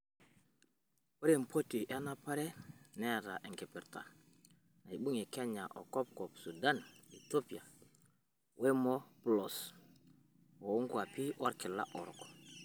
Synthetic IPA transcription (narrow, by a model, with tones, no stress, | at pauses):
wo˦ɾe˦˨m˨po˦ti˨ʔe˦na˦pa˦ɾɛ˦nɛ˦˨ta̰˨ʔɛ˨ŋkɛ˨pɪ˨ɾta̰˨ | na˨i˨ɓu˦ŋi˨ke˦ɲa˨ʔɔ˨kɔ˦p̚kɔ˨psu˨da˦ni˨to˦pi˨a˨ | wʔe˦mɔ˦plɔ˨s | wo˨u˦ŋɡwa˨pi˦wɔ˦ɾkɪ˨la̰˦ʔɔ˨ɾkɔ̥˨